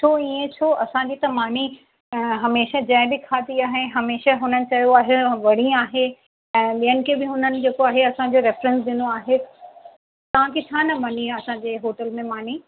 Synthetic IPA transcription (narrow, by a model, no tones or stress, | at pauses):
t͡ɕʰoːiẽt͡ɕʰoːʔɐsãd͡ʑit̪ɐmaːni | ɦɐmeːʃəd͡ʑɐ̃ːɪ̃bɪkʰaːd̪iaːɦeɦɐmeːʃəɦʊnənɪ̆t͡ɕɐjoaːɦeʋɐɽ̤ĩaːɦe | ɛ̃ːɓijənɪ̆kʰebɪɦʊnənɪ̆d͡ʑeːkoaːɦeɐsãd͡ʑoɾɪfɾə̃nsɗ̪ɪnoaːɦe | t̪ɐʋ̤ãkʰet͡ɕʰaːnɐmɐniɐsãɲd͡ʑeːɦoːʈəlmẽmaːn̤i